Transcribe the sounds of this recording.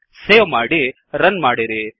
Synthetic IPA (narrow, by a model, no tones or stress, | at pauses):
seːʋmaːɽi | ɾɐnmaːɽiɾi